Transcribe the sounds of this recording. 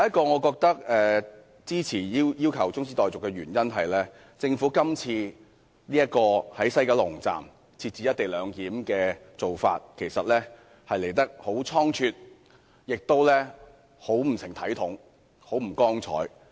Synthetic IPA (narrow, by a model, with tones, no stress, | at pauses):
jɐ˦jɐ˥t̚kɔː˧ŋɔː˨˧kɔː˧k̚t̪ɐ˥k̚ɛː˨ | t͡siː˥t͡sʰiː˨˩jiː˥wjiː˥wkʰɐ˨˩wt͡sʊ˥ŋsiː˥t̪ɔː˨jt͡sʊ˨kːɛ˧ɥyː˨˩njɐ˥nɦɐ˨jlɛː˥ | t͡sɪ˧ŋfuː˨˥kɐ˥mt͡sʰiː˧ | niː˥jɐ˥t̚kɔː˧hɐ˨˥jsɐ˥jkɐː˧lʊ˨˩ŋt͡sa̰ː˨m | t͡sʰiː˧t̚t͡siː˨˥jɐ˥t̚t̪e˨jlœː˨˧ŋkiː˨˥mkɛː˧t͡so˨wfa̰ː˧t̚kʰe˨˩jsɐ˨t̚lɛː˥ | hɐ˨jle˨˩jt̪ɐ˥k̚ho˨˥wt͡sʰɔː˥ŋt͡ʃʰyː˧t̚ | jɪ˨k̚t̪o˥wlɛː˥ | ho˨˥wm̩˨˩sɪ˨˩ŋt̪ʰɐ˨˥jt̪ʰʊ˨˥ŋ | ho˨˥wm̩˨˩kɔː˥ŋt͡sʰɔ̰ː˨˥j